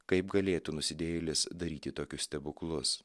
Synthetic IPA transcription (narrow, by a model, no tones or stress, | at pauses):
kɐɪpɡɐlʲeːt̪uːnʊsʲɪd̪ʲeːjlʲɪsd̪ɐɾʲiːt̪ʲɪt̪oːkʲʊsʲt̪ʲɛbʊklˠʊs